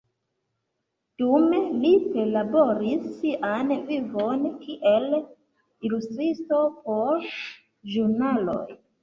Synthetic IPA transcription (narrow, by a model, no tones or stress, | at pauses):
d̥umelipelaboɾisːiʔanvivonkʰiʔel | ilustɾistopoɾ | ʒuɾnalo̰j